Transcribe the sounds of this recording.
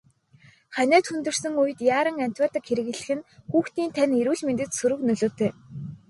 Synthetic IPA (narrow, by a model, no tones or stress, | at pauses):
χænʲæːt̪xunt̪ɵ̆r̥sɵ̆ŋujɘ̆t̪jaːɾə̆ŋæn̥ʲt̪waːrt̪ə̆kxeɾɘ̆ɣɘ̆ɮɘ̆xɘ̆nxuːxt̪iːnt̪ʰæneɾuːɮment̪ɘ̆t̪sɵɾɵ̆knɵɮoːt̪ʰeː